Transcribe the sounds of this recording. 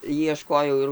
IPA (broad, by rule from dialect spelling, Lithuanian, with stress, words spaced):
jiɛˈʃkoːjɛʊ ɪr